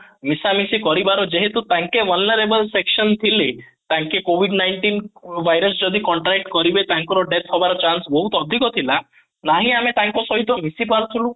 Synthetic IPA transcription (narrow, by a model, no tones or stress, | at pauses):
misamisikɔɾibaɾɔd͡ʒeɦet̪ũt̪ãŋkeʋɔlnəɾebəlseksɔnt̪ʰilet̪ãŋkekoʋiɖnajɳʈinbajɾɔsd͡ʒɔd̪ikɔɳʈɾɛk̚ʈkɔɾibet̪aŋkɔɾɔɖet̪ʰɦɔbaɾɔt͡ʃansbɔɦut̪ɔd̪ʱikɔt̪ʰila | naɦĩamet̪aŋkɔsɔɦit̪ɔmisipaɾt̪ʰulũ